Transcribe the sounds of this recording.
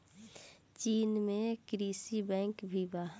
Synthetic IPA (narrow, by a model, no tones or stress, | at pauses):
t͡ʃiːnmẽkɾisibɛ̃ːŋkbʱibaː